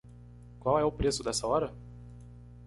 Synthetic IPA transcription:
kwawɛʊpɾesʊd̪ɛsɐɔɾɐ

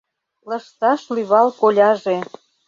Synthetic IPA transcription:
lə̆ʃt̪ɑʃlyβɑlkolʲɑʒe

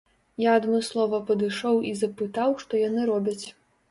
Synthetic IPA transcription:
jaɐd̪mɨslˠɔvɐpɐd̪ɨʂɔwizɐpɨt̪awʂt̪ɔjanɨɾɔbʲɐt͡sʲ

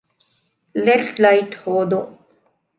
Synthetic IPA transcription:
lefʈlaɪʈhoːd̪o

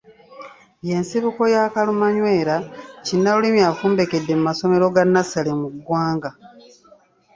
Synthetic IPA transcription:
je̞nsiβuko̞jaːkalumaɲwe̞ːɾacinːaulimjafuːmbe̞ke̞dːe̞mumaso̞me̞ɾo̞ɡanːasalemuɡwaːŋɡa

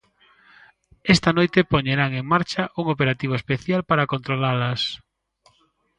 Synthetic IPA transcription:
ɛst̪ɐnojt̪epoɲeɾaŋeŋmaɾt͡ʃɐʔuŋopeɾat̪iβ̞oespeθjalpaɾɐkont̪ɾolalɐs

